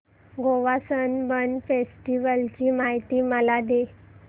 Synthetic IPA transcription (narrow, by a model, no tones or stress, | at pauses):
ɡoʋasənbəɳfesʈiʋəlt͡ɕiːmaɦit̪iːməlad̪e